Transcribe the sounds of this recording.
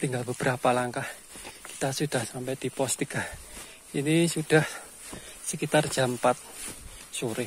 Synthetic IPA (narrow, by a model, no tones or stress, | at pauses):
t̪iŋɡalbəb̥əɾapalaŋkah | ki̥t̪asud̥a̤hsampɛd̪̥i̤pɔst̪ikah | inisud̥ah | səkit̪ard̥ʒ̥a̤mpat̪̚suɾɪ